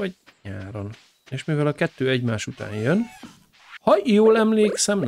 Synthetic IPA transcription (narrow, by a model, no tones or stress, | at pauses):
ɒ | ɲaːɾon | eːʃmivɛlɒkɛt̪ːøːɛɟmaːʃut̪a̰ːnjøn | hɒjoːlɛmleːksɛm